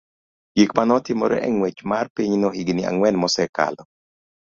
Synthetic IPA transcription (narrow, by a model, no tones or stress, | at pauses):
ɡ̥ikmanɔtɪmɔ̰ɾɛ̰ʔɛŋwet͡ʃmarpiɲnɔhiɡnɪa̰ŋwɛnmɔsɛka̰lɔ